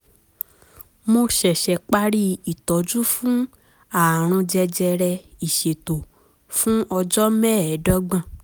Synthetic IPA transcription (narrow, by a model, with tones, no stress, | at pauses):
mo˧ʃɛ˨ʃɛ˨k͡pa˦ɾi˦i˨tɔ˨˦d͡ʒu˦fũ˦ | a˨ɾ̃ũ˧d͡ʒɛ˧d͡ʒɛ˧ɾɛ˧i˨ʃe˨to˨ | fũ˦ɔ˧d͡ʒɔ˦mɛ˦˨ɛ˨˦dɔ˦ɡ͡bã˦˨